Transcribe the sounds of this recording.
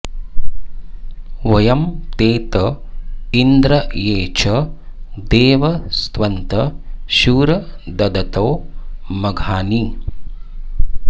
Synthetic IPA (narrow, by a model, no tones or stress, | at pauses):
ʋɐjɐmt̪eːt̪ɐ | ind̪ɾɐeːt͡ʃʰɐd̪eːʋɐst̪ʋɐnt̪ɐʃuːɾɐd̪ɐd̪ɐt̪ɐwmɐɡʱaːniː